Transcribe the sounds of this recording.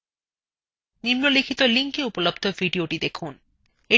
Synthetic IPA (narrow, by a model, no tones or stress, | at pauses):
nimnolikʰit̪oliŋkeupolob̚d̪ʱoviɖioʈid̪ekʰun | e